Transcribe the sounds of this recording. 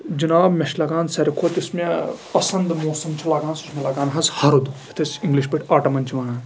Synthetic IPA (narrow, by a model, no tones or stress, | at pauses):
d͡ʒinaːbmʲɐʃlɐɡaːnsɐɾʲikʰoːt̪ismepɐsɐnd̪moːsɐmt͡ʃʰilaːɡaːnsusmelɐːɡaːnɦɐzhɐɾud̪uit̪ʰɐsiŋɡliʃbiʈʰaːʈɐmɐnt͡ʃʰiʋɐːnaːn